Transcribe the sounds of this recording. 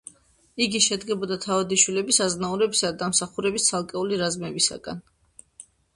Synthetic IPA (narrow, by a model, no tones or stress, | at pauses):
iɡiʃɛd̪ɡɛbɔd̪at̪ʰavad̪iʃwilɛbisaznauɾɛbisaad̪amsaχuɾɛbist̪sʰalˠkʼɛuliɾazmɛbisa̰ɡa̰n